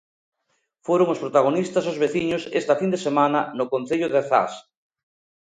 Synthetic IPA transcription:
foɾoŋospɾot̪aɣ̞onist̪asozβeθiɲosest̪afind̪esemananokõn̟θeʎoðeθa̰s

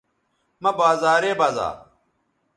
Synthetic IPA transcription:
mɐbaːzaːɾeːbaːza̰ː

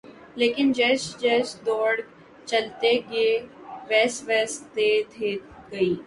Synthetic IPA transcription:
leːkɪnd͡ʒɛːsd͡ʒɛːsd̪ɔːɽ | t͡ʃɐlt̪eɡeːʋɛːsʋɛːst̪et̪ʰeɡɐiː

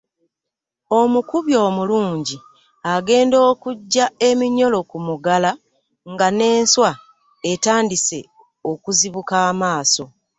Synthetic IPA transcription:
o̞mukuβjo̞ːmuluːɲɟi | aɡe̞ːndo̞ːkuɟːae̞miɲo̞lo̞kumuɡala | ŋɡane̞ːnswa | e̞taːndise̞ | o̞kuziβukaːmaːso̞

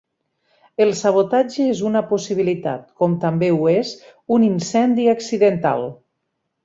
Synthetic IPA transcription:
elˠsaβ̞ot̪ad͡ʒeezunapusiβ̞ilit̪a̰t̪̚kɔmt̪ambeuezuninsɛnd̪iaksiðent̪a̰lˠ

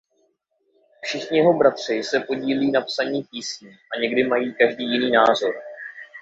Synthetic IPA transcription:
fʃɪxɲɪjɛɦo̞bɾat̪r̝̥ɪsɛpo̞ɟiːliːnapsaɲiːpiːsɲiʔaɲɛɡdɪmajiːkaʒdiːjɪniːnaːzo̞ɾ

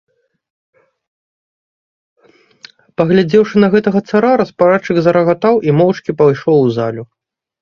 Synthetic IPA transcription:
pɐɣlʲad͡zʲɛwʂɨnɐɣɛt̪ɐɣɐt̪saɾaɾɐspaɾat͡ʂɨɡzɐɾɐɣat̪awʔimɔwt͡ʂkʲipajʂɔwzalʲu

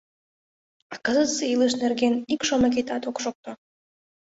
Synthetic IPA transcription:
akəzɨt̪sɨilˠɨʃnerɡʲenikʃomakʲet̪at̪okʂok̚t̪ʰo

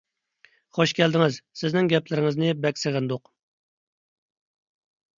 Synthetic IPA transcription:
χoʃkʲʰɛld̪ɪŋɪzsɪznɪŋɡʲɛplɪɾɪŋɪznɪbɛkʲsɪʁɪnd̪ʊq

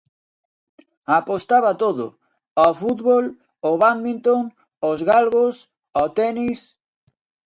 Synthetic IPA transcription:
apost̪aβat̪oðʊ̰ | ofut̪βol | oβanmĩnt̪oŋ | ozɣalɣos | ot̪ɛnis

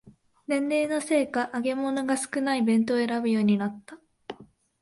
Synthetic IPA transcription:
nẽ̞nd̪e̞ːnose̞ːkaʔːɡe̞monoɡasɨ̥kɯ̟naibẽ̞nt̪oeɾabɯjo̞ːɲ̟inat̪ːa

